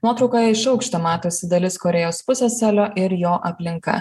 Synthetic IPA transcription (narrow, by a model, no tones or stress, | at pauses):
nuɔt̪ɾɒʊkoːjɛɪʃɐʊkʃʲt̪ʲɐmɑːt̪oːsʲɪd̪ɐlʲɪskɔɾʲɛjoːspʊsʲɛːsʲæːlʲoːʔɪɾjoːʔɐpʲlʲɪŋkɐ̰